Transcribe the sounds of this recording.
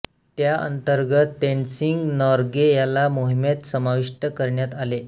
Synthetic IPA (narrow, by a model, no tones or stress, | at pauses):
t̪jaʔə̰nt̪əɾɡət̪ːeɳsiŋɡnɔɾɡejalamoɦimet̪səmaʋiʂʈəkəɾɳjat̪ale